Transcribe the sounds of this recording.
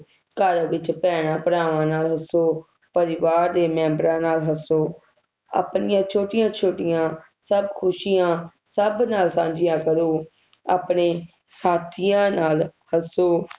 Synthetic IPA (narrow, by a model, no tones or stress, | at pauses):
kəɾʋɪt͡ʃpɛːɽãːpəɽaːʋãːnaːlɦəsoː | pəɾɪʋaːɾd̪eːmɛ̃ːmbɾãːnaːlɦəsoː | a̰ːpnɪjãːt͡ʃʰoːʈɪjãːt͡ʃʰoːʈɪjãː | səbkʰʊʃijãː | səbnaːlsãːd͡ʒɪjãːkəɾoː | a̰ːpɳeː | saːt̪ʰijãːnaːlhəsoː